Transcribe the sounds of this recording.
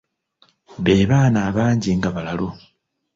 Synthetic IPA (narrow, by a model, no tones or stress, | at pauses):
βe̞ːβaːnaːβaːɲɟiŋɡaβalalo̞